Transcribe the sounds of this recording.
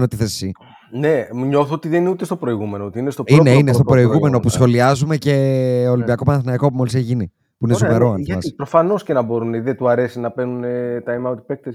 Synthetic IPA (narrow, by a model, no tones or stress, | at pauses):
not̪iθesi | nemuɲo̞θoot̪iðeniut̪est̪o̞pɾo̞iɣume̞noot̪iinest̪oineinest̪opɾo̞iɣume̞nopusxo̞liɐzume̞ce̞olimbiɐko̞pɐnɐθinɐjko̞pumo̞lisçʝini | puinezumeɾoɐɐspɾo̞fɐno̞sce̞nɐbo̞ɾuniðet̪uɐɾe̞sinɐpenunet̪ɐimɐot̪i̥pek̚t̪es